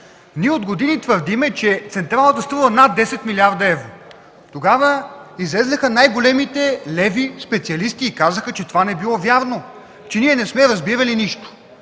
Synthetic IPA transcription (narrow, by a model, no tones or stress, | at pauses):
niɛod̪ɡod̪init̪vəɾd̪imɛt͡ʃɛt̪sɛnt̪ɾalˠət̪əst̪ɾuvˠənad̪ːɛsɛt̪milʲiaɾd̪ɐɛvɾo | t̪oɡavəizlɛznəxənajɡolɛmit̪ɛlɛvispɛt̪siɐlist̪iːkazəxət͡ʃɛt̪ovanɛbilˠɔvjaɾno | t͡ʃɛniɛnɛsmɛɾɐzbiɾɐliniʃt̪o̥